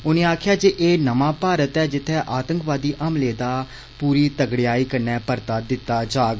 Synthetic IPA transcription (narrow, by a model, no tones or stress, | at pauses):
ʊnẽːaːkʰɪjaːd͡ʒeːʔeːnəmãːpaːɾət̪ɛːd͡ʒɪt̪ʰːɛːʔaːt̪əŋkʋaːd̪iːʔəmleːd̪aː | puːɾiːt̪əɡɽɪjaːiːkəɾnɛ̃ːpəɾt̪aːd̪ɪt̪ːaːd͡ʒaːɡ